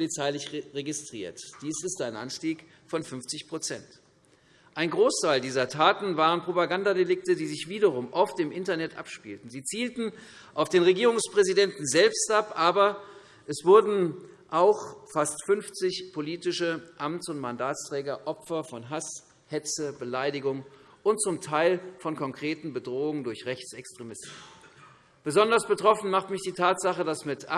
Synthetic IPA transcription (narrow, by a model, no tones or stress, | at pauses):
pʰolit͡saɪlɪçʁeɡɪstʁ̥ḭːɐtd̥iːsɪstaɪnʔa̰nʃtiːk | fɔnfʏnft͡sɪçpʁ̥ot͡sɛnt | ʔaɪnɡʁoːstʰaɪldiːzɐtʰaːtn̩vaːʁ̞ənpʁ̥opaɡandadelɪk̚tədiːzɪçv̥iːdɐʁ̞ʊmʔɔftɪmʔɪntɐnɛtʔa̰pʃpḭːltn̩ziːt͡siːltn̩ | ʔaʊfd̥eːnʁeɡiːʁʊŋspʁ̥ɛzidɛntn̩zɛlpstʔapʔaːbɐ | ʔɛsv̥ʊɐdn̩ʔaʊxfastfʏnft͡sɪçpʰoliːtɪʃəʔamtt͡sʊntmandaːtstʁ̥ɛːɡɐʔɔpfɐfɔnɦas | hɛt͡səbəlaɪdɪɡʊŋ | ʔʊnt̚t͡sʊmtʰaɪlfɔnkʰɔŋkʁ̥eːtn̩bədʁoːʊŋəndʊɐçʁɛçt͡sɛkstʁ̥emɪstn̩ | b̥əzɔndɐsb̥ətʁ̥ɔfn̩maχtmɪçd̥iːtʰaːtz̥aχədasmɪtʔa